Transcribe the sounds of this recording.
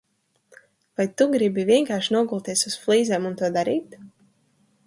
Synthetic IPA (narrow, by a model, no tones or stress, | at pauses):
vajt̪uɡɾibiviɛŋkaːɾʃinuɔɡulˠt̪ʲiɛsusflˠiːzɛːmunt̪uɔd̪aɾiːt̪